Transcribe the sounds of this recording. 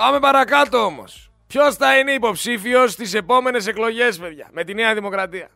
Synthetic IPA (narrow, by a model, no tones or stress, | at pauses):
pɐme̞pɐɾɐkɐt̪o̞omo̞̰s | pço̞sθɐineipo̞psifio̞st̪ise̞po̞me̞ne̞s̬e̞klo̞ʝe̞spe̞ðʝɐ̰me̞t̪ineɐðimo̞kɾɐt̪iɐ̰